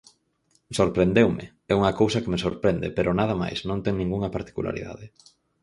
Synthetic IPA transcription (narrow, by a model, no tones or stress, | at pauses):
soɾpɾend̪ewmɪ̰ | ɛuŋɐkowsɐkemesoɾpɾɛnd̪ḛpeɾʔonað̞ɐma̰jsnõnt̪ɛŋnĩŋɡuŋɐpaɾt̪i̥kṵlʔa̰ɾḭða̰ðɪ